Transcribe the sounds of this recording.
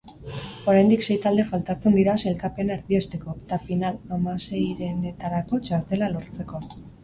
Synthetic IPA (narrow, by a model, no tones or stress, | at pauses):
o̞ɾajnd̪ikse̞jt̪ald̪e̞falt̪at͡se̞nd̪iɾase̞lkape̞naeɾðie̞st̪e̞ko̞et̪afinalamase̞jɾe̞ne̞t̪aɾako̞t͡ʃaɾt̪e̞lalo̞ɾt͡se̞ko̞